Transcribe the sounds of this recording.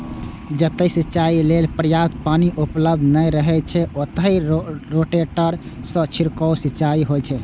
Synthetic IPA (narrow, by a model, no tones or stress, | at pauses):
d͡ʒət̪əsitːt͡ʃailelpɾəjat̪̚paniʔupləb̚d̪ʱnəɾəɦɛt͡ʃʰɛot̪əiɾoʈeʈəɾsə̃t͡ʃʰiɾkɔwsit͡ʃaiɦojt͡ʃʰɛ